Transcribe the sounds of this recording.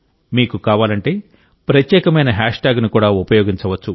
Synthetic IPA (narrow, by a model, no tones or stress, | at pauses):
miːkukaːʋaːlɐɳʈe̞ː | pɾɐt̪jɛːkɐmɐjnɐɦaːʂʈaːɡnukuːɽaːupɐjoːɡiɲt͡ʃɐʋɐt͡ʃːu